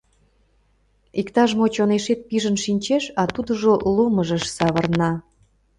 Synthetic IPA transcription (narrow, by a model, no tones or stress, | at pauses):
ikt̪ɑʒmot͡ɕoneʃet̪̚piʒənʃinʲt͡ɕeʃɑt̪ud̪əʒoloməʒəʃsɑβərnɑ